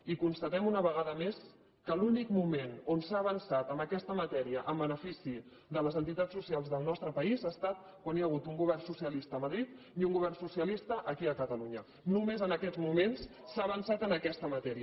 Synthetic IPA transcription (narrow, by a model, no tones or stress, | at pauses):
ikunst̪ət̪ɛmunəβəɣ̞aðəmes | kəlunikmumenonsaːβənsat̪əmbəkɛst̪əmət̪ɛɾiəʔəmbənəfisi | d̪ələzənt̪it̪at͡ssːusialˠzðəlˠnɔst̪ɾəpəizast̪at̪̚ | kwanjaɣ̞ut̪uŋɡuβ̞ɛrnsusiəlist̪əːməðɾit̪ | iuŋɡuβ̞ɛrnsusiəlist̪əʔəkiəkət̪əluɲə | numezənəkɛdd͡zmumens | saːβənsat̪ənəkɛst̪əmət̪ɛɾiə